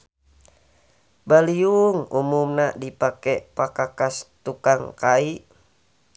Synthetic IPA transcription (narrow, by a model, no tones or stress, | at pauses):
baliuŋumumnadipakɛpakakast̪ukaŋkai